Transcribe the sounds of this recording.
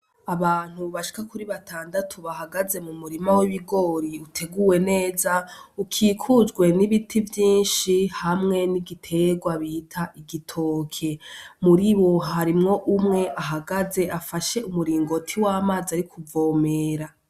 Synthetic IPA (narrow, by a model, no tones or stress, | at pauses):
aβaːn̥uβaʃi̥kakuɾiβatʰaːndatʰoβaɦaɡaze̞mumuɾimawiβiɡo̞ːɾiutʰe̞ɡuwe̞ne̞ːzaukʰiːkʰuzɡwe̞niβitʰivjiːnʃihamŋe̞niɡitʰe̞ɡwaβiːtʰaʔiɡitʰo̞ːkʰe̞muɾiβoɦaɾimŋo̞ʔumŋe̞ʔaɦaɡaze̞ʔafaʃe̞umuɾiːŋɡo̞tʰiwaːmaːziaɾikʰuvo̞ːmeːɾa